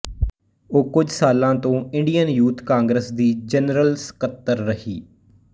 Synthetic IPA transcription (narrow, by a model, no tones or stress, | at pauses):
oːkʊd͡ʒʱsaːlãːt̪õːɪ̃ɳɖijənjuːt̪kãːŋɡɾəsd̪iːd͡ʒənɾəlsə̥kət̪ːəɾːəhiː